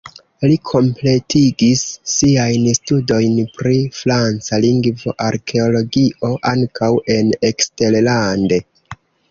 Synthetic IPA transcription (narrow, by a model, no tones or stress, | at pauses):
likʰo̞mple̞tiɡisːiajnstudo̞jnpɾifɾant͡saliŋɡvo̞ʔaɾkʰe̞o̞lo̞ɡio̞ʔaŋkawe̞ne̞kste̞ɾlande̞